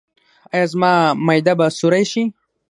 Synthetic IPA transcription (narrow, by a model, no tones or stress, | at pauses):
ajɑzmɑmajd̪abasʊɾajʃi